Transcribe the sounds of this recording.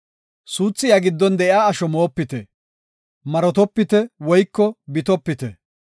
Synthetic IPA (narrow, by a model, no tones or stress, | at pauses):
suːt͡sːɪjaɡɪd̪ːɔnd̪ɛʔjaːɐʃɔmo̞ːpːɪt̪ɛ | mɐɾɔt̪ɔpːɪt̪ɛwɔjkːɔbɪt̪ɔpːɪt̪ɛ